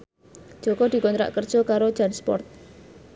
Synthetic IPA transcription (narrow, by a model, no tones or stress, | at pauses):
d̥ʒ̥o̤kɔd̪̥i̤kɔnt̪ɾa̰ʔkərd̥ʒ̥ɔ̤kaɾo̥d͡ʒanspɔ̰rt̪̚